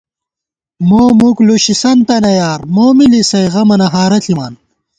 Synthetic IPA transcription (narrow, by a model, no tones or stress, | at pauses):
moːmukluɕisɐnt̪ɐnɐjaːɾmoːmilisɐjʁɐmɐnɐɦaːɾɐɬʰimaːn